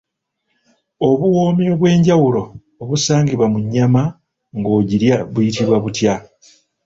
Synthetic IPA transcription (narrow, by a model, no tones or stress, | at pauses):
o̞βuwo̞ːmioβwe̞ːɲɟawulo̞ː | βusaːŋɡiβwamuɲːama | ŋɡo̞ːɟiɾjaβujitiβwaβutja